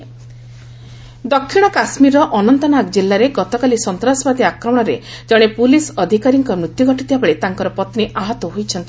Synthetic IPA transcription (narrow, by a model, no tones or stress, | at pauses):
d̪ɔkʰːiɽ̃ɔkasmiɾɔʔɔnɔnt̪ɔnaɡd͡ʒilːaɾeɡɔt̪ɔkalisɔnt̪ɾasɔbad̪iakɾɔmɔɽ̃ɔɾed͡ʒɔɽ̃epulisɔd̪ʱikaɾiŋkɔmɾut̪juɡɔʈit̪ibabaɭet̪aŋkɔɾɔpɔt̪niʔaɦɔt̪ɔɦojt͡ʃʰɔnt̪i